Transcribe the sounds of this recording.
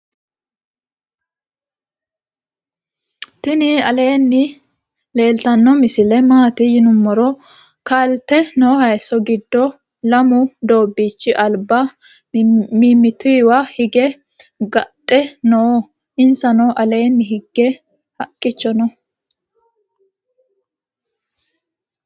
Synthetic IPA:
t̪ɪnɪɐle̞ːnːɪ | le̞ːlt̪ɐnːɔmɪsɪlɛmaːt̪ɪjɪnʊmːɔɾɔ | kɐlt̪ɛnoːhɐjsɔɡɪd̪ːɔ | lɐmʊd̪o̞ːbːiːt͡ʃːɪʔɐlba | mimːɪt̪ʊːwɐhɪɡɛ | ɡɐtʼːɛnɔː | ʔɪnsɐnɔʔɐle̞ːnːɪɦɪɡːɛ | hɐkʼːɪt͡ʃːɔnɔ

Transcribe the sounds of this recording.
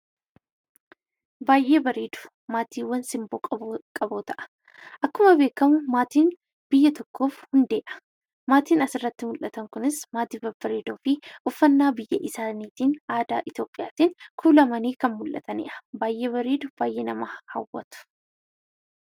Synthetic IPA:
baːjʔe̞ːbɐɾeːd̪ʊ̥ | maːt̪ʰiːwːɐnsɪmboːkʼkʼɐboːt̪ɐʔɐ̥ | ʔɐkːʊmɐbe̞ːkːɐmʊmaːt̪iːn | b̥ɪjːɐt̪ɔkːo̞ːfhʊnd̪e̞ːʔɐ̥ | maːt̪iːnɐsɪrːɐt̪ːɪmʊlʔɐt̪ɐŋkʊnɪsmaːt̪iːbɐbɐɾeːd̪oːfɪʔʊfːɐnːaːbɪjːɐʔɪsaːniːt̪iːnaːd̪a̰ːʔɪt̪jo̞ːpʼːɪjaːt̪iːŋkʰuːlɐmɐniːkɐnmʊlʔɐ̰t̪ʰɐnɪ̰ʔɐ̥baːjʔe̞ːbɐɾeːd̪ʊb̥aːjʔeːnɐmaːhɐ̰wːɐ̰t̪ʊ̥

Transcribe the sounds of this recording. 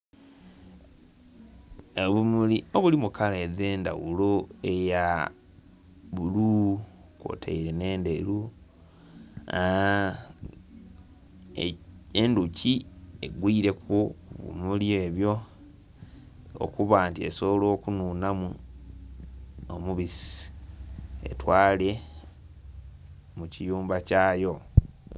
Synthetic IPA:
eβumulioβulimukʰaleðeːnda̰wuloeja | βulu | kwo̰tʰḛiɾene̞ːndeɾu | enduciḛɡwiːɾe̞kuβṵmuljoeːβjo̞ | o̰kuβaːntie̞̰soβolo̞ːkununamu | omuβisi̥ | e̞̰twaːle̞ | mucijuːmbacaːjo̞

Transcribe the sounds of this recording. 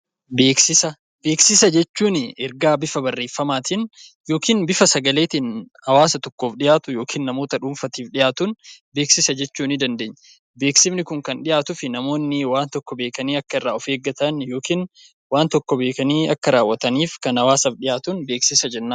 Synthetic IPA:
beːksɪsɐ | be̞ːksɪsɐd͡ʒɛt͡ʃːuːnɪɛɾɡaːbɪfɐbɐrːe̞ːfːɐmaːt̪ɪn | jo̞ːkiːnbɪfɐsɐɡɐleːt̪ɪn | ɐwaːsɐt̪ɔkːoːfᶑɪjaːt̪ʊjo̞ːkʰiːnːɐmoːt̪ɐᶑuːmfɐt̪iːfᶑɪjaːt̪ʊnbe̞ːksɪsɐd͡ʒɛt͡ʃːuːnɪd̪ɐnd̪e̞ːɲː | be̞ːksɪmnɪkʊŋkɐnᶑɪjaːt̪ʊfɪnɐmo̞ːnːɪwaːnt̪ɔkːɔbe̞ːkɐniːɐkːɐɪrːaːɔfe̞ːɡɐt̪ɐnjo̞ːkiːn | waːnt̪ɔkːɔbe̞ːkɐniːɐkːɐɾaːwːɐt̪ɐniːfkɐnhɐwaːsɐfᶑɪjaːt̪ʊnbe̞ːksɪsɐd͡ʒɛnːaː

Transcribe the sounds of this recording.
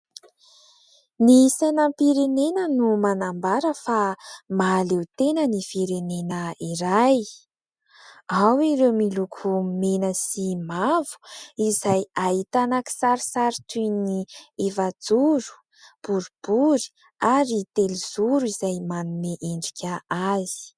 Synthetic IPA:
nisajnampiɾenenənumanambaɾəfamaːlewt̪enənifiɾenenəiɾaj | awiɾewmilukʰumenəsimavu̥izaj̪aɦit̪anaki̥saɾisaɾit̪unievad͡zuɾu̥ | b̥uɾub̥uɾi̥ | aɾit̪eliz̥uɾuizajmanumeʔeɳɖ͡ʐikʰʲəazi̥

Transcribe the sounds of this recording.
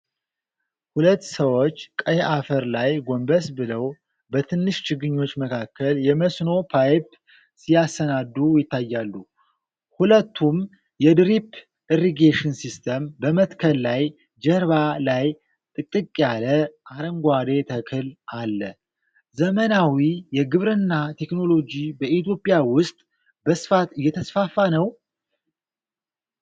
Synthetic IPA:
hulət̪ːsəwo̞t͡ʃːkʼəjʔafəɾlajɡo̞mbəsbɨləw | bət̪ʰɨnːɨʃt͡ʃɪɡɨɲːo̞t͡ʃːməkʰakːəljɛməsno̞pʰajp | sijasənad̪ːujɪt̪ːajːalːu | hulət̪ʰːum | jɛd̪ɾip | dəriɡeʃɨnsist̪ʰəmbəmət̪kʰəllaj | d͡ʒəɾβalaj | t̪ʼɨkʼːɨkʼjaləʔaɾəŋɡʷad̪e̞t̪ʰəkʰɨlalːə | zəmənawijɛɡɨβɾɨnːat̪ʰe̞kno̞lo̞d͡ʒibəit̪jo̞pʼːjawʊst̪ʼ | bəsɨ̥fat̪ɨjːɛt̪ʰəsfafːanəw

